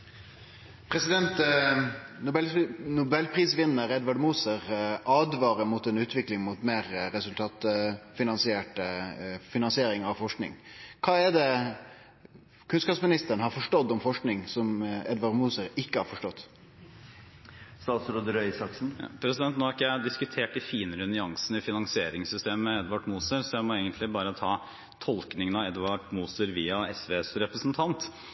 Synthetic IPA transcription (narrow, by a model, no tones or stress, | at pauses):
pʰɾɛsɪd̪ɛnt̪ | nʊbɛlnʊbɛlːpʰɾiːsʋɪnːəɾɛd̪ʋɑɖmuːsəʁʔɑːd̪ʋɑːɾəmʊt̪ɛnʉːt̪ʰʋɪklɪŋmʊt̪meːɾːɛsʉlt̪ʰɑːt̪fɪnɑnsɪeːʈəfɪnɑnsɪeːɾɪŋɑʋfɔʂknɪ̰ŋkʰɑːɛd̪ɛ | kʰʉnskɑːpsmɪnɪst̪əɾəɳhɑɾfɔʂʈɔd̪ːɔmfɔʂknɪŋsɔmɛd̪ʋɑɖmuːsəɾɪkːəhɑɾfɔʂʈɔt̪ː | st̪ɑːt̪sɾoːd̪əɾœʏsɑksn̩pʰɾɛsɪd̪ɛnt̪noːhɑɾɪkːəjæd̪ɪskʉt̪ʰeːʈɪfiːnəɾʉnʏɑŋsn̩ɪfɪnɑŋsɪeːɾɪŋsʏst̪eːməɛd̪ʋɑʈmuːsəɾsɔjæɪmɔeːɡənt̪lɪbɑːɾət̪ʰɑː | t̪ʰɔlknɪŋənɑɛd̪ʋɑʈmuːsəɾʋiːɑɛsʋeːsɾɛpɾəsnt̪ʰɑnt̪